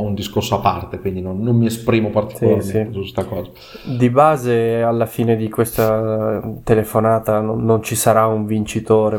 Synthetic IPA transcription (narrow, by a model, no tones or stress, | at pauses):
und̪iskorsoapːa̰rt̪ekwind̪inonːommiespɾiːmopart̪i̥sisisust̪akɔːza | d̪ibaːzealːafiːned̪ikwest̪a | t̪elefonaːt̪anoːont͡ʃisaɾauɱvint͡ʃit̪oːɾe